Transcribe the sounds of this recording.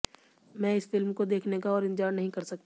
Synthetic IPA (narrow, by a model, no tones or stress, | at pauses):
mɛ̃ːɪsfɪlmkod̪eːkʰnekaɔːɾɪ̃nd͡ʒaːɾnɐɦĩkɐɾsɐk̚t̪